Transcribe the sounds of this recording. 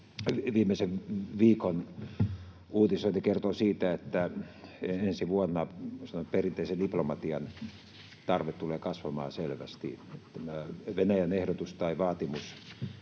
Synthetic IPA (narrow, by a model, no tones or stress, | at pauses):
ʋiːmeseʋʋiːkon | uːt̪isoinikert̪osiːt̪æet̪ːæeensiʋuonːɑsɑnoperint̪eˑisendiplomɑt̪iɑn | t̪ɑrʋet̪t̪uleːkɑsʋɑmɑ̰ːselʋæ̰st̪ḭet̪ːæmæʋenæjænehdot̪ust̪ɑiʋɑːt̪imus